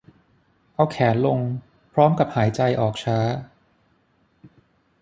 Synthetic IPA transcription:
ʔa˧wkʰɛː˩˦nlo˧ŋ | pʰɾɔː˦˥mka˨˩p̚haː˩˦jt͡ɕa˧jʔɔː˨˩k̚t͡ɕʰaː˦˥

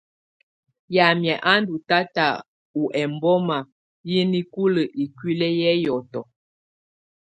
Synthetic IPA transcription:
ja˨mjɛ˨ʔa˦n˦du˨ta˦ta˨ | u˨ʔɛ˨mbɔ˦ma˨ | ji˦ni˦ku˦lə˨ʔi˨kwi˦lɛ˦jɛ˦jɔ˨tɔ˨

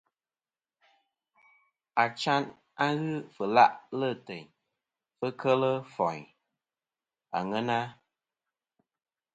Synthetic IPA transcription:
a˨t͡ʃa˦n | a˦ɣɨ˦fə˨la˦ʔlə˦˨tɛ˨ɲ | fə˦kʰə˦lə˦fɔ˨ɲ | a̰˨ŋɛ˦na˦

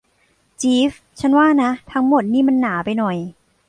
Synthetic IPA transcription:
t͡ɕiː˦˥f | t͡ɕʰa˦˥˩nwaː˥˩na˦˥t̪ʰa˦˥ŋmo˨˩t̪̚niː˥˩ma˧nːaː˩˦pa˧jnɔ˨˩j

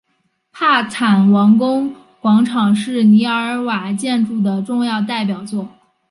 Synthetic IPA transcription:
pʰa˥˩t͡sʰa˨˩nwɑ˧˥ŋkʊ˥ŋ | kwɑ˧˥ŋʈ͡ʂʰɑ˨˩ŋʂɻ̩˥˩ni˧˥ə˞˧˥wa˨˩t͡ɕjɛ˥˧nʈ͡ʂu˥˩d̪ə˩ʈ͡ʂʊ˥˧ŋjɑ˥˧ʊt̪a˥˩ɪp̬jɑ˨˩ʊt͡swɔ˥˩

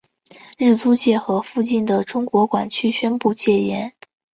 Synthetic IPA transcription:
ɻ̩˥˩t͡su˥t͡ɕjɛ˥˩xɤ˧˥fu˥˧t͡ɕi˥˩nd̪ə˩ʈ͡ʂʊ˥ŋkwɔ˧˥kwa˨˩nt͡ɕʰy˥ɕɥɛ˥npu˥˧t͡ɕjɛ˥˩jɛ˧˥n

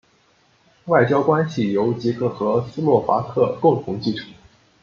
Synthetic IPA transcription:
wa˥˩ɪt͡ɕjɑ˥ʊkwa˥nɕi˨˩jo˧˥ʊt͡ɕi˧˥kɤ˥˩xɤ˧˥sɹ̩˥lwɔ˥˩fa˧˥t̪ʰɤ˥˩kʊ˥˧˩ŋt̪ʰʊ˧˥ŋt͡ɕi˥˩ʈ͡ʂʰu̥˨˩˦

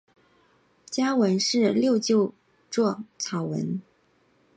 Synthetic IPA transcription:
t͡ɕja˥wə˧˥nʂɻ̩˥˧ljo˥˧ʊt͡ɕjo˥˧ʊ | ʈ͡ʂwɔ˥˩t͡sʰɑ˨˩ʊwə̰˧˥n

